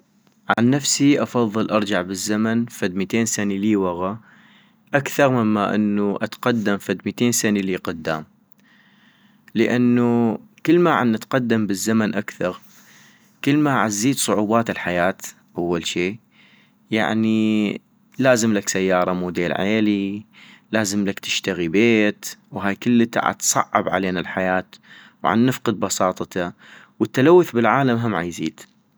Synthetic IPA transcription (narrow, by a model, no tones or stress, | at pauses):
ʕa̰nːafsiʔɑfɑðˤːɨlʔɑɾˤd͡ʒaʕbɪzːamanfad̪mit̪eːnsaniliːwaɣa | ʔakθɑɾˤmɪmːaʔɪ̰nːuʔa̰t̪qad̪ːamfad̪mit̪eːnsaniliːqʊd̪ːa̰ːm | ləʔanːukəlːmaʕanʔat̪qɑd̪ːambəzːamanʔakθɑɾ | kəlːmaʕazːiːt̪sˤʊʕuːbɑːt̪ɪlħajaːt̪ | ʔawːalʃiː | ja̰ʕni | laːzɪmlaksajːɑːɾˤɑmuːd̪eːlʕḛːlilaːzɪmlakt̪ɪ̥ʃt̪aɣibeːt̪wɦaːjkɪlːɪt̪a̰ʕa̰t̪sˤɑ̰ʕːɪ̰bʕa̰leːnalħajaːt̪ | wʕa̰nːɪfqɨd̪̚bɑsˤɑːt̪ˤɑt̪a | wət̪ːalawːʊθbɪlʕaːlamɦamʕa̰jziːd̪